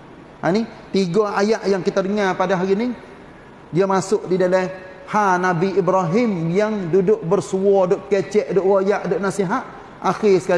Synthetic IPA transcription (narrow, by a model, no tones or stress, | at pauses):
hani | t̪iɡaajaʔjaŋkit̪aɾiŋapadaɦaɣini | diamasʊʔdidalɛ | hanabiibɾaɦɪmjaŋdudʊʔ̚bərsuɔdʊʔkɛt͡ʃɛʔdʊʔwojaʔdʊʔnasiɦaʔ | axɪsə̥ka